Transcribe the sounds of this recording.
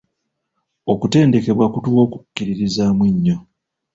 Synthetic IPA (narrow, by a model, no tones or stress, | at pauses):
okute̞ːnde̞ke̞βwakutuwo̞ːkukːiɾiɾizaːmwiɲːo̞